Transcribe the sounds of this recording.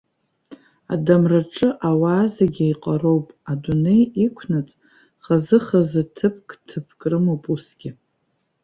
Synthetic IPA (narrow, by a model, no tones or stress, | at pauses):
a̰damraʈ͡ʂʼɨʔawaːzaɡʲaiqʼaɾo̞wpʼadune̞jikʷʰnat͡sʼ | χazɨχazɨtʰɨpʰkʼtʰɨpʰkʼrɨmopʼusɡ̥ʲɪ